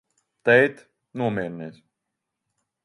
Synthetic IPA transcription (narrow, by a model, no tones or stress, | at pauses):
t̪ɛjt̪ | nuɔmɛːɾnɛːs